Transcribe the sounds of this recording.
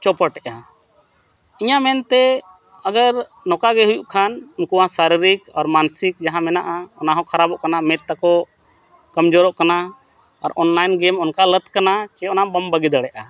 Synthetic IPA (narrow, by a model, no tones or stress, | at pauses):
t͡ʃɔpɔʈɛʔa | iɲamɛnt̪ɛ | əɡəɾ | nɔkaɡɛɦujuʔkʰanunkuwasaɾiɾikɔɾmansikd͡ʒaɦãmɛnaʔaɔnaɦɔ̃kʰaɾabɔʔkanamɛt̪ːakɔ | kəmd͡ʒɔɾɔʔkana | aɾɔnlajnɡɛmɔnkalət̪kanat͡ʃɛɔnabəmbəɡid̪aɽɛʔa